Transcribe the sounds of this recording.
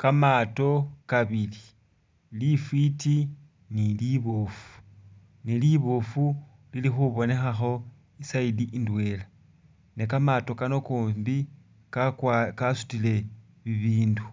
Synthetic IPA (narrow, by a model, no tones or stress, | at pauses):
kamato̞kaβili | lifwiti | niliβofu̥ | niliβofu | lilixuβo̞ne̞xaxo̞ | isaidiʔindwe̞ːla | nekamato̞kanokuːmbi | kakasu̥tile̞ | βiβiːndu